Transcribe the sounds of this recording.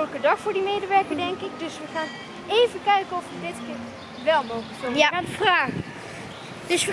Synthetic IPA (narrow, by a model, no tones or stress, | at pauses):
ləkədɑχfʊːɹdimejdəʋɛɹkəɹdɛŋkɪk̚dɵsʋəχaːn | ejvəkɛɥkəɔfʋədɪtkɪːɹ | ʋɛlˠmowχləksɔjaadəfraːχ | dɵs